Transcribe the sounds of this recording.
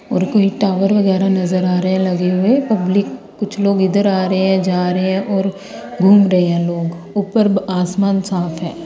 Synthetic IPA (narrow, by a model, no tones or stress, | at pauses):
ɔːɾkoːiʈaːʋəɾʋɐɣɛːɾanɐzəɾaːɾɐɦɛ̃lɐɡeɦʊepɐblɪkː | ʊt͡ʃʰloːɡɪd̪əɾaːɾəeɦɛ̃d͡ʒaːɾəɦeɦɛ̃ʔɔːɾ | ɡʱuːmɾɐɦeɦɛ̃loːɡ | ʊpəɾaːsmaːnsaːfʰɦɛ̃ː